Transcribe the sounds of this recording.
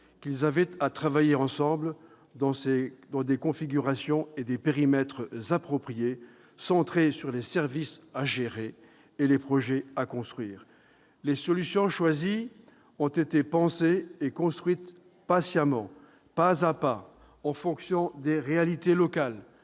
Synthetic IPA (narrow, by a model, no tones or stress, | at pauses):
kʲilzavɛt̪at̪χavajeɑ̃sɑ̃bl | d̪ɑ̃sed̪ɑ̃d̪ekɔ̃fiɡʲyʁasjɔ̃ed̪epeʁimɛt̪χzapχɔpχije | sɑ̃t̪χesyʁlesɛʁvisaʒeʁeː | lepχɔʒɛakɔ̃st̪χɥiːʁ | lesɔlysjɔ̃ʃwazi | ɔ̃t̪et̪epɑ̃seːkɔ̃st̪χɥit̪ | pasjamɑ̃ | pazapa | ɑ̃fɔ̃ksjɔ̃d̪eʁealit̪elɔkal